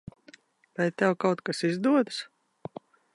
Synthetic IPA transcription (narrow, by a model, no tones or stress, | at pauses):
vajt̪ɛwkawt̪kasizd̪uɔd̪s